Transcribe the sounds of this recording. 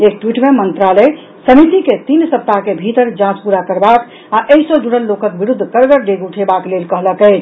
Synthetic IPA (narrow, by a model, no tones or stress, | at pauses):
ek̚ʈwiʈmemənt̪ɾalə | səmit̪iket̪insəp̚t̪aɦkebʱit̪əɾd͡ʒãt͡ʃpuɾakəɾbak | aʔeɦisəd͡ʒuɽəlːokək̚biɾud̪ʱːkəɾɡəɾɖeɡuʈʰebaklelkəɦləkəɪt͡ʃʰ